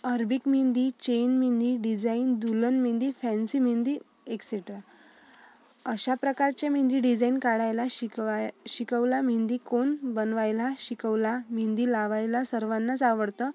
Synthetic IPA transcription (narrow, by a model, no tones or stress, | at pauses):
əɾbikmind̪it͡ɕenmind̪iɖid͡zaind̪ulənmĩnd̪ifɛ̃nsimind̪i | ekseʈɾa | əɕapɾəkaɾt͡ɕem̤ĩnd̪iɖid͡zainkaɽajlaɕiɕikəʋlam̤ind̪ikonbənʋajlaɕikəʋlam̤ind̪ilaʋajlasəɾʋanːat͡saʋəɽt̪ə